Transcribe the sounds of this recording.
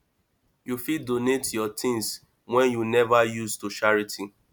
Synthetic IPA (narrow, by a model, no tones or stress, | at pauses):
jufidonetjɔtʰĩns | wɛ̃njunɛvajustuʃaɹitʰi